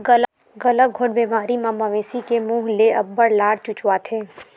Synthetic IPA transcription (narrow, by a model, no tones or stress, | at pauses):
ɡɐl | ɡɐləɡʱʊɽbeːmaːɾimɐmːaʋẽːsikemũːɦleɐbːəɽlaːɽt͡ʃʊt͡ʃwaːt̪ʰẽː